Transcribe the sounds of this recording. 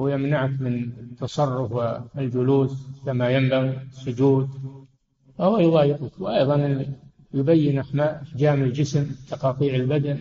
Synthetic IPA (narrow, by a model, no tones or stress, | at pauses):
wjɪmnaʕakmɪnt̪ːɑsˤɑrˤːʊfwɪld͡ʒʊluːskamajambaɣɪsːʊd͡ʒuːd̪ | fahʊwːajʊðˤɑːjɪqʊkwʔɑjðˤɑn | jʊbajːɪnʔaħmaːʔʔaħd͡ʒaːmɪld͡ʒɪsmt̪ɑqɑːt̪ˤiːʕɪlbad̪an